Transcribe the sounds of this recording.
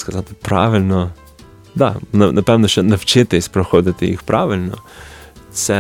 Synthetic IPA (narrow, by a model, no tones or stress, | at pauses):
skɐzat̪ɪ̥pɾa̰ʋilnɔ | d̪a̰nanʔɐpɛmnɔʃɛnɐwt͡ʃet̪ɛispɾɛxoːd̪it̪ɪjḭxpɾaːʋilnɔ̰ | sɛ